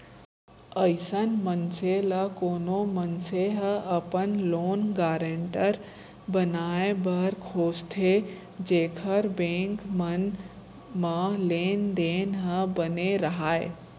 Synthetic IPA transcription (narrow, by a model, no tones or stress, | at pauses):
əɪsənmənseləkoːnomənseɦəɐpənloːnɡaːɾẽɳʈəɾ | bənaːebɐɾkʰoːst̪ʰe | d͡ʒeːkʰəɾbẽːŋkmən | mãleːnd̪eːnɦəbəneɾɐɦaːḛ